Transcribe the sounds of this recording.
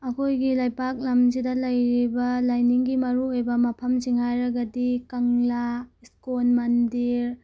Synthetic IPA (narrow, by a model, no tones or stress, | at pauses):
ɐkʰojɡilajpak̚lɐmzidɐlɐjɾibɐlajniŋɡimɐɾuojbɐmɐpʰɐmziŋhajɾɐɡɐdikɐŋlaskonmɐndiɾ